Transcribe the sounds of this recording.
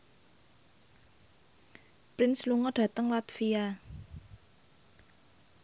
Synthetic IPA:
pɾɪnsluŋɔdɖ̥ä̤t̪əŋlat̪fia

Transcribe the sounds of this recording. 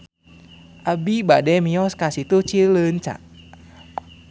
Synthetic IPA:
ʔabibadɛmiɔskasit̪ut͡ʃilənt͡ʃa̰ʔ

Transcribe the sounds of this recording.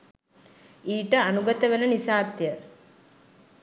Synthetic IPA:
iːʈəanuɡət̪əʋenənisaːt̪jə

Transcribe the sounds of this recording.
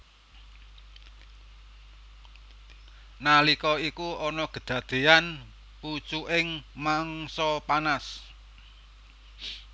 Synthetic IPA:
nalikɔikuɔnɔkə̤̥d̪̥ä̤d̪̥e̤an | put͡ʃuʔɪŋmaŋsɔpanas

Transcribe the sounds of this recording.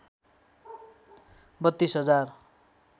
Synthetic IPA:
bʌt̪ːisɦʌd͡zar

